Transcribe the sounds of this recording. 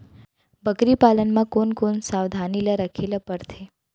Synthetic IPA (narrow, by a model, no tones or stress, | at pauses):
bəkɾipalənmãkonkonsaʋd̪ʱanilaɾəkʰelapəɾt̪ʰe